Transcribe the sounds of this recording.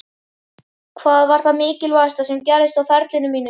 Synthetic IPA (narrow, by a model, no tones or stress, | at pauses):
kʰvaːðvaɾ̥θaðmɪːcɪlvast̪asɛmcɛɾðɪst̪awfɛɾt̪lɪnʏmiːnʏ